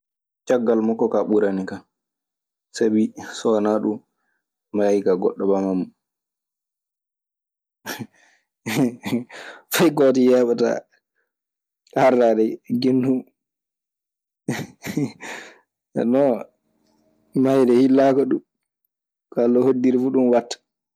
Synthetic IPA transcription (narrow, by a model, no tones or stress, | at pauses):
t͡ʃaɡːalmɔkːɔkaɓuɾanika | sabisɔnaɗu | majkaɡɔ̰ɗːɔbamamːu | fajɡɔtijaɓata̰ | araɗɛɡindu | ɛ̰nɔ | majdɛhilːakɔɗum | kalːɔhodːiɾifuɗunwatːḁ